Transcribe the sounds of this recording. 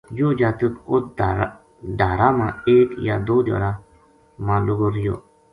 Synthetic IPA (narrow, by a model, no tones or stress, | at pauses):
joːd͡ʒaːt̪əkʊt̪̚ | ɖaːɾaːmãːeːkja̰ːd̪oːdo̰ːɾaː | mãːlʊɡoːɾɪjo̰ː